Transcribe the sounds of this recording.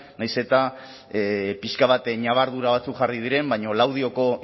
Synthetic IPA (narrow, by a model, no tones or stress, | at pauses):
najse̞t̪a | piʃkaβat̪ɲaβ̞aɾðuɾaβ̞at͡sukʝarið̞iɾe̞mbajɲo̞lawð̞io̞ko̞